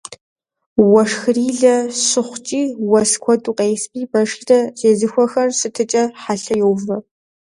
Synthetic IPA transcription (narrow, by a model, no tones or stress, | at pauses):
wɐʂxɨriːɮɐɕɨχʷt͡ʃʼiːwɐskʷʰɔtʼuːqʼeːjspʼʰiːbɐʂtɐzeːzɨxʷɔxɐrsɨtʰɨt͡ʃʼɐħaɬɐjɛwvɐ